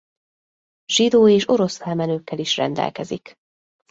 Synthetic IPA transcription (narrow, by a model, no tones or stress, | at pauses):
ʒ̥id̪oːeːʃo̞ɾo̞sfɛlmɛnøːkːɛliʃrɛ̰nd̪ɛ̰lkɛzḭk